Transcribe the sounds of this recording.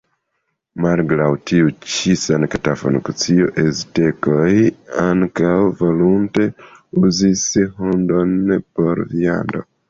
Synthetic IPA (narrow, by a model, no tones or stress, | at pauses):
malɡlawtʰiut͡ʃisankatafonkut͡sioʔezitekojaŋkawvolunte | uzisihundonpoɾvia̰ndo̰